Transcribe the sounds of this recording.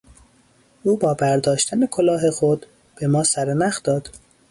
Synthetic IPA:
ʔuːbɒːbæɾd̪ɒːʃt̪ʰænekʰolɒːɦe̞xod̪̥ | b̥e̞mɒːsæɾenæxd̪ɒːd̪̥

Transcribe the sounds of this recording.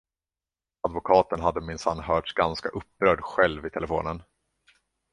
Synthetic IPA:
ad̪vʊkʰɑːt̪ənɦad̪ːəmɪnsanːhœːʈʂɡanska̰ʔɵpːɾœːɖɧɛlvɪt̪ʰɛləfo̰ːnən

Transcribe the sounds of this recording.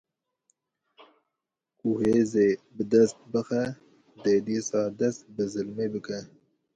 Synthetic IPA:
kuheːzeːbɨd̪ɛst̪̚bɨxɛ | d̪eːd̪iːsɑːd̪ɛst̪̚bɨzɨlmeːbɨkɛ

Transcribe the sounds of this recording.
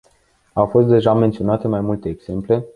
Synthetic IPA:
awfo̞st̪̚d̪e̞ʒament̪sio̞nat̪e̞majmult̪e̞ːɡz̥e̞mple̞

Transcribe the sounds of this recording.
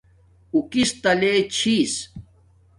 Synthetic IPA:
ukist̪ɐlet͡ɕʰis

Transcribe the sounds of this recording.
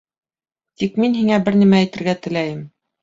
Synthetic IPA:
t̪ikminhiŋæbɘɾnæmæt̪ɘ̆ɾɡæt̪ɘ̆læjɘm

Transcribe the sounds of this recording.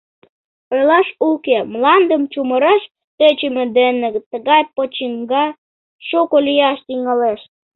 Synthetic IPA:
olɑʃukemlɑnd̪əmt͡ɕuməɾɑʃ | t̪øt͡ɕəmĕd̪enəɡt̪ːəɣɑjpot͡ɕiŋɡɑ | ʃukolijɑʃt̪iŋɑleʃ

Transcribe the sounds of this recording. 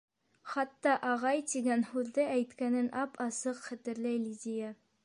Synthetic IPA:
χɑt̪ːɑʔɑʁɑjt̪iɡænhʉðd̪ɘʔæjt̪kænɘnʔɑpʰɑsɤqχæ̆t̪ɘ̆ɾlæjlʲid̪ʲija

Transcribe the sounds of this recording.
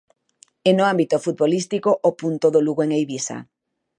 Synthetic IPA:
enoambit̪ofut̪̚βolist̪ikoʔopunt̪oðoluɣoeŋejβisa̰

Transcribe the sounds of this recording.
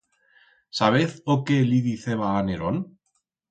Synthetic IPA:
saβ̞eθokeliðiθeβaːneɾon

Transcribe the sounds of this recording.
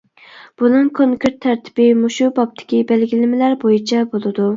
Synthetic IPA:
b̥unɨŋkʰoŋkʰɾeɾt̪ʰːæɾt̪ʰɪ̥b̥ɪmuʃubɑp̚t̪ʰɪ̥kʲibælɡʲilɪmɪlæɾbojit͡ʃʰɛbolˠɨd̪u

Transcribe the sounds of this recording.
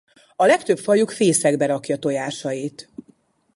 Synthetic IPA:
ɒlɛkt̪ø̞pfɒjukfeːsɛɡbɛɾɒkjɒt̪o̞jaːʃɒjit̪

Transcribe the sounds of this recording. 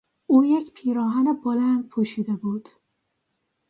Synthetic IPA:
ʔuːjecpʰiːɾɒːɦænebolænd̪̚pʰuːʃiːd̪ebuːd̪̥

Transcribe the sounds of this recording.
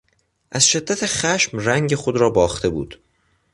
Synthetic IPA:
ʔæz̥ʃe̞d̪ːæt̪ʰeχæʃmræŋɟexod̪ɾɒːbɒːxt̪ʰe̞bṵːd̪̥

